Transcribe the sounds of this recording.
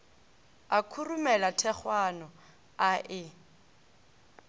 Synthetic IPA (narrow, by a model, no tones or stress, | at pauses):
akʰurumɛlatʰɛχwanɔ | aʔɪ